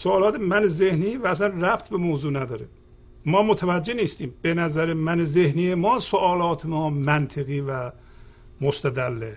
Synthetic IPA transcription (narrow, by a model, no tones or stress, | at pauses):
soːlɒːt̪ʰemænezehniːvæːslænræft̪ʰbemoːzuːnæd̪ɒːɾe | mɒːmot̪ʰævæd͡ʒːeniːst̪iːmb̥enæzæɾemænezehniːemɒːsoʔɒːlɒːt̪ʰemɒːmænt̪ʰeɣiːvæ | most̪ʰæd̪ælːe